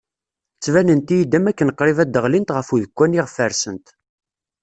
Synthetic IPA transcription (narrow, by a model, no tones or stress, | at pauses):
t͡sːvænənt̪ijid̪æmækːənəqːɾˤivæd̪ːəʁlint̪ʁəfuðəkʷːæniʁəfəɾsənt̪